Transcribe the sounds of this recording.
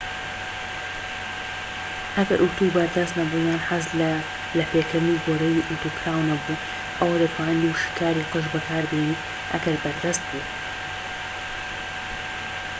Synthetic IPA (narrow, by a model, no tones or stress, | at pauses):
ʔɐɡɐɾʔut̪ubɐɾd̪ɐst̪nɐbujaːnħaz | lɐpekɨɾniɡoːɾɐjiʔut̪uːkʰɾaːwnɐbu | ʔɐwɐlepʰawɐnd̪uʃi̥kʰaːɾiːqɨʃbɨkʰaːɾbiːni | ʔɐ̰ɡɐɾbɐɾd̪ɐst̪̚bu